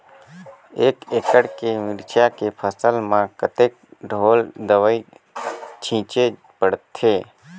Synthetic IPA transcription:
eːkeːkəɽkemɪɾt͡ʃʰjakepʰəsəlmãkət̪eːk̚ɖʱoːld̪əʋəi | t͡ʃʰĩːt͡ʃe | pəɽt̪ʰːeː

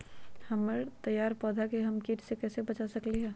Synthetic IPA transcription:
hɐmːəɾt̪ɐjːaːɾpɔːd̪ʱakeɦɐmkiːʈʰsekɛːsebɐt͡ʃasɐkliɦɛː

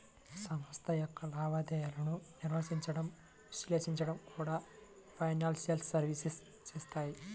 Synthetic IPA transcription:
sɐmɐst̪ʰɐjokːɐlaːʋɐd̪eːɐɾɐɳunirʋɐsiɲt͡ɕːɐɽɐm | ʋisleːsiɲt͡ɕɐɽɐmkʰuːɽa | fɐjnaːlsijɐlssɐɾʋisis | t͡ɕeːst̪aːji

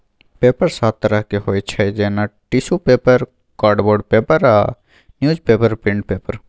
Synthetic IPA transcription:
peːpəɾsaːt̪t̪ːəɾəɦkeɦoːet͡ʃʰɛd͡ʒɛːnaʈisupeːpəɾ | kaːɾɖboːɖpeːpəɾa̰ː | njuːzpeːpəɾpɪ̃ɳɖpeːpəɾ

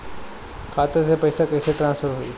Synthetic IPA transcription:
kʰaːt̪əsepɐɪsakɐɪseʈɾãnsfʰəɾɦoiː

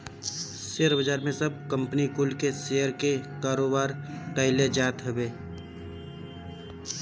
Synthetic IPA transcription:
seːɾbəd͡ʒaːɾmẽsəb̚kə̃mpənikʊlkeseːjəɾkekaːɾoːbaːɾʈəɪled͡ʒaːt̪ɦəbeː

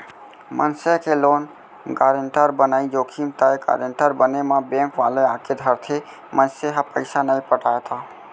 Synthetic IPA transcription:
mʔənsekeloːn | ɡaːɾeɳʈəɾbənaːid͡ʒokʰimt̪əjɡa̰ɾeɳʈəɾbənemãbẽŋkʋaleaked̪ʱəɾt̪ʰe | mənseɦapə̰ɪsanəipəʈaet̪ʰa

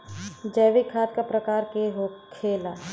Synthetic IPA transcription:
d͡ʒɐːʋɪkʰːaːt̪kapɾɐkaːɾkeɦokʰeːla

